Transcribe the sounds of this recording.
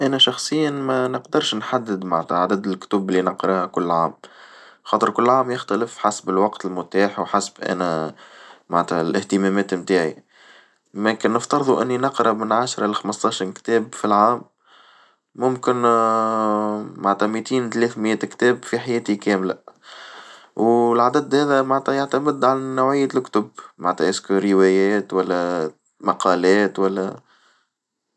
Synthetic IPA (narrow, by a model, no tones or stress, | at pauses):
ʔænæʃɑxsˤəjːanmænəqd̪ɑɾˤʃnħad̪ːɪd̪maʕnt̪æʕad̪æd̪ɪlkt̪uːbɪlːinɑqɾɑhkʊlːʕaːm | xɑːt̪ˤəɾkʊlːʕaːmjɪxt̪ælɪfħasbɪlwɑqt̪ɪlmʊt̪aːħwħasbʔæ̰næ | maʕnt̪hælʔɪht̪əmæmɛːt̪mt̪aːʕḭ | mækɪnːəft̪ɑɾˤðˤuʔɪnːinɑqɾˤɑmɪnʕaʃɾˤɑʔlxɑməst̪ˤɑːʃɑɾˤkt̪ɛːbfilʕaːm | ʊmkɪn | maʕnt̪hæmit̪iːnt̪lɛːθmjɛːt̪kt̪ɛːbfiħajɛːt̪ikɛːmlæ̰ | wlʕad̪æd̪hæːðæmaʕnt̪æjaʕt̪æmɪd̪ːʕalnːawʕɪjːalkt̪ʊbma̰nt̪hæʔɪskɾɪwɛjɛːt̪wælːæ | mɑqɑːlɛːt̪wælːæ